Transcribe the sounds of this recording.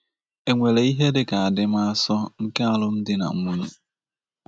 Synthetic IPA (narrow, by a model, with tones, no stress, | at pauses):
e˨ŋʷe˨le˨i˦ɦe˦dɪ˨ka˨a˨dɪ˦m̩˦a˦a˦sɔ˦ŋ̩˦ke˦a˨lʊ˦m̩˦dɪ˦na̰˨ŋ̩˦mu˦ɲu˦